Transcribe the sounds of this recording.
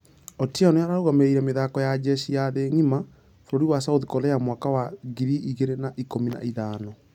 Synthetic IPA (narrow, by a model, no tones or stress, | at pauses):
ɔtianojaɾaɾoɣameɾeiɾɛmeðakɔjad͡ʑɛɕijaðeŋima | foɾoɾiwasauðikɔlɛjamwakawaɣiɾiiɣeɾenaʔikomina̰iðaːnɔ